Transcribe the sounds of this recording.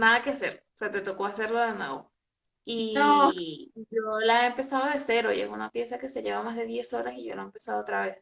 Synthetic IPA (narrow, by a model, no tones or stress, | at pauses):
naðakease̞ɾose̞at̪e̞t̪o̞ko̞ase̞ɾlo̞ðe̞nwe̞̰βo̞̰ | io | ʝolaeempe̞saðoðese̞ɾo̞ḭe̞̰sunapje̞sake̞se̞ʝe̞βamazðe̞ðje̞so̞ɾasiʝoḛaempesaðoot̪ɾaβe̞s